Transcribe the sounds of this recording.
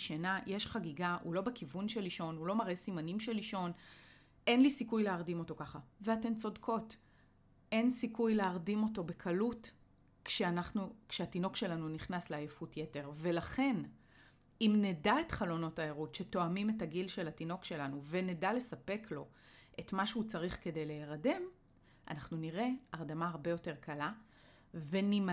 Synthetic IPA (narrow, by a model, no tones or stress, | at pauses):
ʃenajʔeʃχaɡiɡaʔṵlo̞bekivunʃeliʃo̞nulo̞maʁʔesimanimʃeliʃo̞n | ʔe̞nlisikujleaʁdimo̞to̞kaχaveate̞nt͡so̞dkʰo̞t | e̞nsikujleaʁdimo̞to̞bekʰalut | kʃeanaχnukʃeatino̞kʃe̞lanuniχnasleajefutjete̞ʁve̞laχe̞n | imnedae̞tχalo̞no̞taeʁutʃe̞to̞amime̞taɡilʃe̞latino̞kʃe̞lanuve̞nedale̞sapekʰlo̞ | ʔe̞tmaʃeut͡saʁiχke̞de̞jleːʁade̞m | ʔa̰naχnuniʁe̞aʁdamaːʁbe̞jo̞te̞ʁkʰala | venim